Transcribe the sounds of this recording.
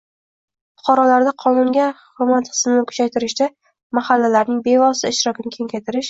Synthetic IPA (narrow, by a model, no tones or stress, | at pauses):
fʊ̥qʰɒɾɒlaɾd̪aqʰɒnʊmɡʲahʊɾmat̪χɨ̥smɪnɪkʰʊ̥t͡ʃʰajt̪ɪɾɪʃd̪a | mahalːalaɾnɪŋbe̞vɒsɪɪʃɾɒkʲɪnɪkʲʰeŋkʲajt̪ɪɾɪʃ